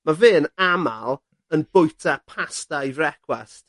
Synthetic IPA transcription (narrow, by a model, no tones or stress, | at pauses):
maveːnama̰lˠ | ənbʊjtʰapʰastajvrɛkʰwɛst